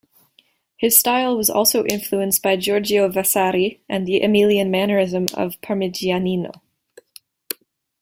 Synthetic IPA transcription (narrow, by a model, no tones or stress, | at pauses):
hɨz̥staɪlˠwʌzɔ̰lˠsoʊʔɪ̃ɱfluə̃nsb̥aɪd͡ʒɔɹd͡ʒiovasaɾiʔɨ̃nðiʔɨmilˠiɨ̃nmænə˞ɪzə̃mʌ̰v̥pʰəmɪd͡ʒianino̰ʊ